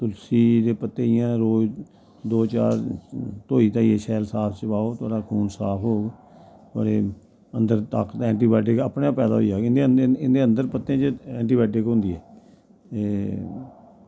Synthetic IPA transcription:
t̪ʊlsiːd̪eːpət̪ːeːɪjãːɾoː | d̪oːt͡ʃa̰ːɾt̪oːiːt̪ãːieːsɛːlsaːpʰt͡ʃəpaːoːt̪ʰʊwaːɽaːkʰuːnsaːpʰɦoːɡ | t̪owa̰ːɽeː | ənd̪əɾt̪a̰ːkt̪ɛ̃ːɳʈiːbɛːʈ̬ɪkəːpɳãːpɛːd̪a̰ːɦo̰iaːɪnd̪eɪnd̪eːə̃nd̪əɾpət̪ːẽːt͡ʃɛ̃ːɳʈiːbɛːʈɪkɦʊ̃nd̪iːɛː | eː

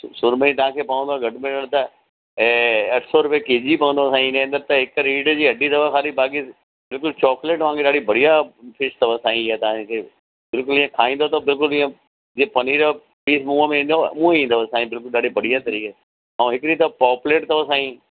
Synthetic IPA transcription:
sʊɾməĩt̪ɐʋ̤ãːkʰeːpɐʋə̃nd̪oɡʱɐʈʰmɪləɽ̃t̪ɐ | ɐʈʰsɔɾʊpekeːd͡ʑipɐə̃nd̪osãːĩɪnẽə̃nd̪əɾt̪ɐɦɪkɾiːɖd͡ʑiːɐɖʱid̪ɐʋakaːɾibaːki | bɪlkʊlt͡ɕɔːkleːʈʋãːkeɗaːɽibɐɽ̤ijapʰɪʃt̪ɐʋasaːĩat̪ɐʋãkʰe | bɪlkʊlɪ̃ãkʰaːĩːnd̪ot̪ɐbɪlkʊlɪːẽ | d͡ʑepɐniːɾ | piːsmũːəmẽĩːnd̪omũːĩːnd̪osaːĩbɪlkʊlɗaːɽibɐɽ̤ijat̪ɐɾiːke | ɐũɦɪkɾit̪ɐpɔːpleːʈt̪ɐʋasaːĩ

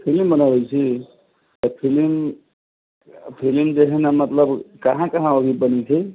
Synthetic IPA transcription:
pʰilimbənabet͡ʃʰi | t̪əpʰilim | pʰilimd͡ʒeɦɛnamət̪ləbkɐɦãkəɦãoɡibənit͡ʃʰi

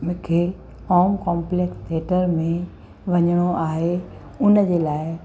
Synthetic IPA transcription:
mʊ̃kʰe | ɔːmkɔːmplekst̪ʰeːʈəɾmẽ | ʋɐɲəɽ̃oʔaːɦe | ʊnd͡ʑelaːɪ

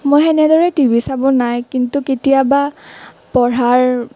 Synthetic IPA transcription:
mojɛnɛdɔɹɛtibisabɔnajkintuketijaba | pɔɹaɹ

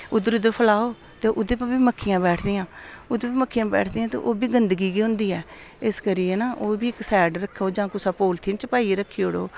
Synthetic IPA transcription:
ʊd̪ːəɾʊd̪əɾpʰəlaːoː | t̪eːʔʊd̪eːpəbiːməkʰːɪjãːbɛːʈʰd̪ɪjãːʊd̪eːpːməkʰːɪjãːbɛ̰ːʈʰd̪ɪjãːt̪ḛːʔoːbiːɡənd̪əɡiːkiːɦʊ̃nd̪iːɛː | ɪskəɾiːenaːʔoːbiːɪksɛːɖɾəkʰːoːd͡ʒãːkʊsaːpoːlt̪ʰiːnt͡ʃəpaːiːɾəkʰːiːoːɽo̰ː

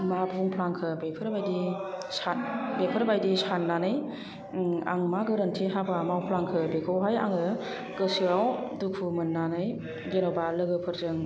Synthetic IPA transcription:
mabʱuŋpʰlaŋkʰɯbepʰɯɾbajdisanbepʰɯɾbajdisanːanɯj | a̰ŋmaɡɯɾɯntʰiɦabamawpʰlaŋkʰɯbekʰawɦaja̰ŋɯ | ɡɯsiɾawdukʰumɯnːanɯj | ɡenɔbalɯɡɯpʰɯɾzɯŋ

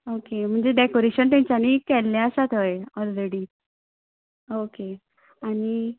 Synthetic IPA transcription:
okem̤əɳd͡zeɖekoɾeɕənt̪ãɲt͡ɕjaniːkɛlːaəsat̪əjɔlɾeɽiː | oke | aɽ̃i

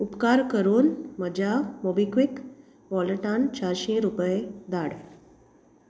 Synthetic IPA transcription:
upkaɾkəɾuːnməd͡ʑʱamobikʋik | ʋɔlʈant͡ɕaɾɕẽɾupəjed̪aɽ

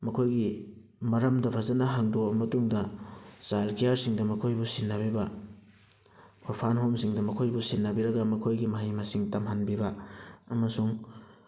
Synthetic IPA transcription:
mɐkʰojɡi | mɐɾɐmdɐpʰazɐnɐɦaŋdomɐtuŋdɐsalkijaɾsiŋdɐmɐkʰojbusinːɐbibɐ | oɾpʰanɦomsiŋdɐmɐkʰojbusinːɐbiɾɐɡɐmɐkʰojɡimɐɦijmɐsiŋtɐmɦanbibɐɐmɐsuŋ

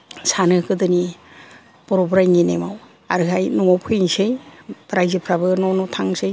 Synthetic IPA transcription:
sanɯkɯdɯni | b̥ɔɾɔbɾajŋinḛmaw | aɾɯɦajnɔŋɔwpʰɯjŋsejbɾajzɯpʰɾabɯnɔwnɔtʰaŋsɯj

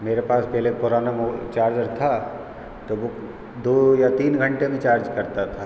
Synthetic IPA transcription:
meːɾepaːspɛɦlepʊɾaːnamot͡ʃaːɾd͡ʒəɾt̪ʰa | t̪oʋo | d̪oːjat̪iːnɡʱɐ̃ɳʈemẽt͡ʃaːɾd͡ʒkɐɾt̪at̪ʰaː

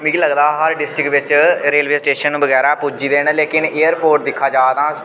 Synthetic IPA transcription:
mĩːɡiləɡd̪aːɦəɾɖɪsʈɾɪkʋɪt͡ʃɾeːlʋeːsʈeːʃəñːbəɡɛːɾaːpud͡ʒiːd̪eːnleːkɪneːjəɾpoːɾʈd̪ɪkʰːaːd͡ʒaːd̪ãː

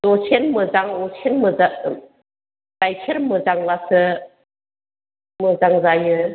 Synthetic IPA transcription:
dɔt͡ʃʰenmɯzaŋɔsʰenmɯza | dajkʰeɾmɯzaŋlasɯ | mɯzaŋzajɯ

